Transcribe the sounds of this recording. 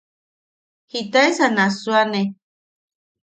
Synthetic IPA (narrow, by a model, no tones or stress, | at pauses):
hit̪aesanasuane